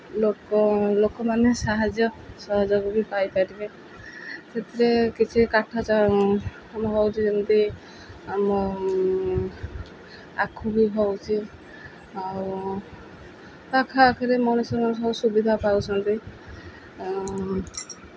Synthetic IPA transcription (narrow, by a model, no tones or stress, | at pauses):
lokɔlokɔmanesaɦad͡ʒjɔsaɦad͡ʒɔkubipajpajtibe | tʰet̪ɾekit͡ʃʰikaʈʰat͡ʃa | amɔɦɔwt͡ʃʰisɔnt̪i | amɔ | a̰kʰubiɦɔwt͡ʃʰi | aɾu | takʰakʰiɾemɔnusɔɾmanesɔsubid̪ʱapawsʰɔnt̪i